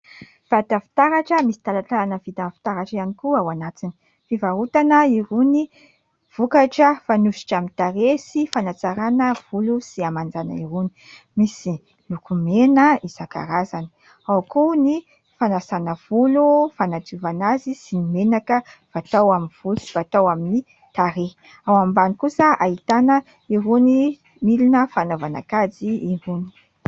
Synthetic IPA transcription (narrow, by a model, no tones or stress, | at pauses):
v̥at̪afi̥t̪aɾaʈ͡ʂəmisi̥t̪alat͡ɬaanəvit̪anfi̥t̪aɾaʈ͡ʂianikuawanat͡sini̥ | fivaɾut̪anəiɾuni | v̥ukaʈ͡ʂəfanuʃi̥ʈ͡ʂamit̪aɾesifanat͡saɾanəv̥ulusiamand͡zana̰iɾuni̥ | misi | lukumenəizaka̰ɾazan | awkuni | fanasanəv̥ulufanativanazisinimenakəv̥at̪awaminv̥ulusi̥vat̪awamini | t̪aɾe | awambanikusəait̪anə | iɦuni | milinəfanovana̰kad͡ziiɾuni̥